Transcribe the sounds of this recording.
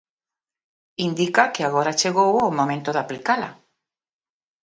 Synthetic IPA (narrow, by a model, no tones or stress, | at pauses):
ind̪ikakeaɣ̞oɾat͡ʃeɣ̞owaowmõmẽnt̪oðaplikala̰